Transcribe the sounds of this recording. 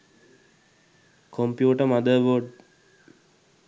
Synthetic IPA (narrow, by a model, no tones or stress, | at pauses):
kʰõmpjuːʈəmɐd̪əʋoɖ